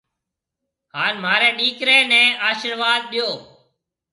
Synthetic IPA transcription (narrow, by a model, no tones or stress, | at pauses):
haːnmaːɾɛːɗiːkɾeːnɛ̃ːaːʃəɾʋaːd̪̚ɗɪjoː